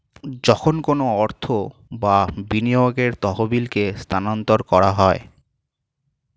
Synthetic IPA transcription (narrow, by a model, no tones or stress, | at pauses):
d͡ʑɔkʰonkonoɔɾt̪ʰobabinijoɡeɾt̪ɔɦobilkest̪ʰanɔnt̪oɾkɔɾaɦɔe